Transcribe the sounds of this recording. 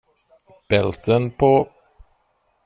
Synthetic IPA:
b̥ɛlt̪ənpʰoː

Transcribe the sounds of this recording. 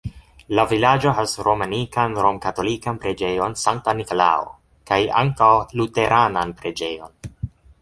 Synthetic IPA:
lavilad͡ʒo̞ɦasɾʔo̞manikanɾomkato̞likanpɾe̞d͡ʒe̞jo̞nsaŋk̚tanikola̰o̰ | kaja̰ŋkawlute̞ɾʔananpɾe̞d͡ʒe̞jo̞̰n

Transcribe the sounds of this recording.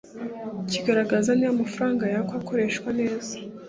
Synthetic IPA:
ciɡaɾaɡazanijamafuɾaːŋɡajakwako̞ɾe̞ːʃkwane̞ːz̥ḁ

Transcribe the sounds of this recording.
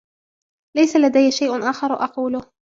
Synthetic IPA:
lajsalad̪ajːʃajʔʊnʔaːxɑɾˤʔɑquːlʊ

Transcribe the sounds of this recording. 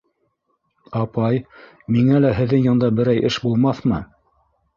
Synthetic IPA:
ɑpɑj | miŋælæɦɘ̆ðːɘŋjɤ̆nd̪ɑbɘ̆ɾæjʔɘʃbulˠmɑθmɤ

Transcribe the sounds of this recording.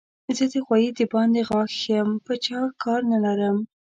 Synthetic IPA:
zəd̪əxwɑjid̪əbɑnd̪eɣɑxjəmpət͡ʃɑkɑɾnalaɾəm

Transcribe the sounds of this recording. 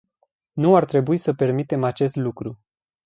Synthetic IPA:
nuart̪ɾe̞buisəpe̞rmit̪e̞mat͡ʃe̞st̪lukɾu

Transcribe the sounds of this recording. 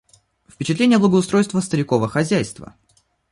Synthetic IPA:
fpʲɪt͡ɕɪt̪lʲenʲɪjədlˠəɡəʊst̪ɾo̞jst̪vəst̪əɾʲɪko̞vəxɐzʲæjst̪və̰

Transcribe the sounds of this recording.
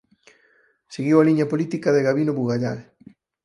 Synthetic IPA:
seɣiwaliɲɐpolit̪ikɐðeɣaβinoβuɣaʎal

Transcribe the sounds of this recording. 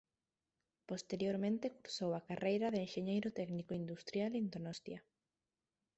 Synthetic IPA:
post̪eɾjoɾmẽnt̪ekuɾsowakarʔejɾaðeenʃeɲejɾʊt̪ɛɡnikoind̪ust̪ɾjalind̪onɔst̪ja

